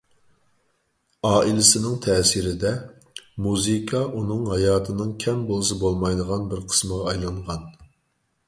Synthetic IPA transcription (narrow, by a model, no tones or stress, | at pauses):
ɑːʔilɪsɪnɪŋt̪ʰɛːsiɾɪd̪ɛ | muzɨkʰɑʔunɨŋɦɑjɑːt̪ʰɨnɨŋkʲʰɛmbolˠɨs̬ɨbolˠmɑjd̪əʁɑnbɪɾqʰə̥sməʁɑːjlˠɑɴʁɑn